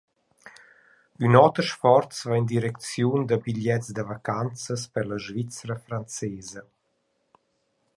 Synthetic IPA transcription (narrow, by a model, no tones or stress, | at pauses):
ynɔt̪əɾʃfɔɾt͡svaind̪iɾɛkt͡sjund̪əbiʎɛtt͡sd̪əvakant͡səspəɾləʒvit͡sɾəfɾant͡sɛːzə